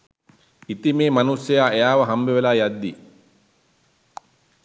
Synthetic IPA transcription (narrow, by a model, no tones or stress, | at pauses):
it̪imeːmɐnusːejaːʔejaːʋɐɦɐmbeʋelaːjad̪ːi